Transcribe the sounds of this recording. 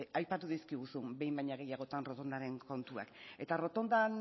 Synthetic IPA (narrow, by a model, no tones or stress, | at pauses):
ajpat̪uðiskiɣ̞usumbe̞jmbajɲaɣ̞e̞jaɣ̞o̞t̪anro̞t̪o̞nd̪aɾe̞ŋko̞nt̪ua̰ke̞t̪aro̞t̪o̞nd̪an